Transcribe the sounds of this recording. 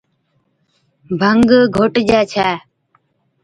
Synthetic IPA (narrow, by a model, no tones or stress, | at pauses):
bʱəŋɡɡʱoʈd͡ʒaːt͡ʃʰaː